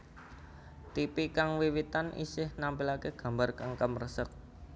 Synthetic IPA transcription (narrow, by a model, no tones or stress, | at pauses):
t̪ipikaŋwiwit̪anʔḭsɪhnampɪlakeɡ̥a̤mbarkaŋkəmrəsək̚